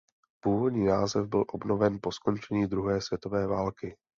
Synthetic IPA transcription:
puːvo̞dɲiːnaːzɛvbɪlʔo̞bno̞vɛnpo̞sko̞nt͡ʃɛɲiːd̪ɾuɦɛːsvjɛt̪o̞vɛːvaːlkɪ

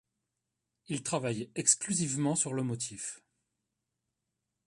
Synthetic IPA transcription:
ilt̪χavajɛksklyzivmɑ̃syʁləmɔt̪ʰif

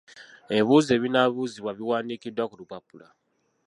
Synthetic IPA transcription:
eβuːze̞ːβinaβuziβwaβiwaːnikidːwakulupapula̰

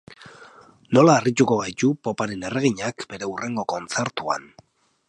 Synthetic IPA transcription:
no̞laːrit̪uko̞βajt͡ʃ̪upo̞paɾe̞ne̞reɣ̞iɲakbe̞ɾe̞ure̞ŋɡo̞ko̞nt͡se̞ɾt̪ua̰n

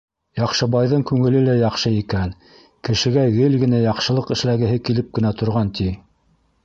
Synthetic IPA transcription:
jɑqʃɤ̆bɑjðɤɴkʉŋɘ̆lɘlæjɑqʃɤikæn | kɘ̆ʃɘ̆ɡæjɘlɡɘ̆næjɑqʃɤ̆lˠɤqɘ̆ʃlæɡɘ̆ɦɘkilɘp̚kɘ̆næt̪ŏɾʁɑnt̪ʰi

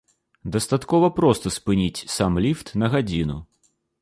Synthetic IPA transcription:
d̪ɐst̪at̪kɔvɐpɾɔst̪ɐspɨnʲit͡sʲsamlʲift̪nɐɣad͡zʲinu

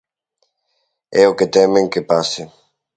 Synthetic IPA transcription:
ɛoket̪ɛmẽŋkepasɪ

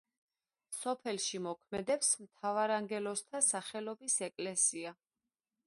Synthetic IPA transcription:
sɔpʰɛlʃimɔkʰmɛd̪ɛpsmt̪ʰavaɾaŋɡɛlɔst̪ʰasaχɛlɔbisɛkʼlɛsia

